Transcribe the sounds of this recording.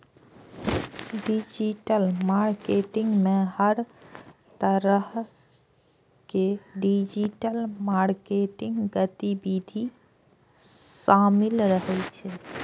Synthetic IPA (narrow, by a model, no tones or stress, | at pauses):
ɖid͡ʒiʈəlmaɾkeʈɪŋɡmẽhəɾt̪əɾəɦ | keɖid͡ʒiʈəlmaɾkeʈiŋɡɡət̪ibid̪ʱi | samilɾəɦɛt͡ʃʰɛ